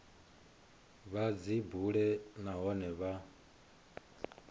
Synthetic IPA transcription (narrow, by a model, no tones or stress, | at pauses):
βad͡zibuɺɛnaɦɔnɛβa